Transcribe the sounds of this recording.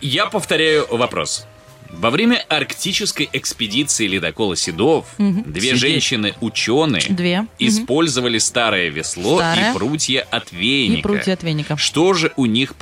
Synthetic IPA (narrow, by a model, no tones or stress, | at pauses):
japəft̪ɐɾʲæjʊvɐpɾo̞̰s | vɐvɾʲemʲəɐrktʲit͡ɕɪskəjʔɛkspʲɪdʲit̪sɨɪlʲɪd̪ɐko̞lˠəsʲɪd̪o̞fd̪vʲeʐɛnʲɕːɪnɨʊt͡ɕonɨ̰jə̰d̪vʲeɪspo̞lʲzəvəlʲɪst̪aɾəjəvʲɪslˠo̞ipɾutʲjəɐt̪vʲejnʲːɪ̰kɐt̪vʲenʲɪkəʂt̪o̞ʐɨʔʊnʲix